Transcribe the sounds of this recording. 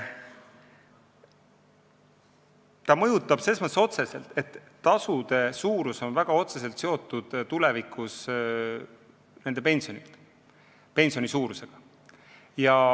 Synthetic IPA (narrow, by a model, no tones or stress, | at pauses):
t̪ɑmɤjut̪ːˑɑb̥se̞smɑso̞t̪se̞se̞lt̪e̞t̪ːɑsud̪̥e̞suːɾuso̞nvæɡ̥ɑo̞t̪se̞se̞lt̪se̞o̞t̪ˑːud̪̥t̪ule̞vikʰːˑus | ne̞nd̪̥e̞pe̞nʲsionit̪ | pe̞nʲsio̞nisuːɾuse̞ɡ̥ɑ | jɑ